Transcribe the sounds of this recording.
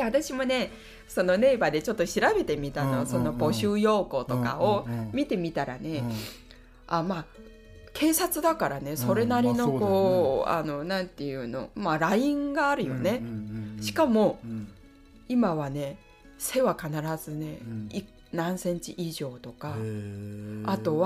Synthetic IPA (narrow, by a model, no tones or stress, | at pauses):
at̪aɕimo̞ne̞ | so̞no̞ne̞ːbad̪e̞t͡ɕo̞t̪ːo̞ɕiɾabe̞t̪e̞mʲit̪ano̞so̞no̞bo̞ɕɨːjo̞ːko̞t̪o̞ka̰o̞mʲit̪e̞mʲit̪aɾa̰ne̞ | ama | kʰe̞ːsat͡sɨd̪akaɾane̞so̞ɾe̞naɾʲino̞ko̞ːa̰no̞nãnt̪e̞jɯ̟ːno̞̰maɾaĩŋɡaːɾɯ̟jo̞̰ne̞ɕi̥kamo̞ | imaβane̞ | se̞βakanaɾazɨne̞i | nãɰ̃sẽ̞ɲ̟t͡ɕiʔiʑo̞ːt̪o̞ka | t̪o̞βa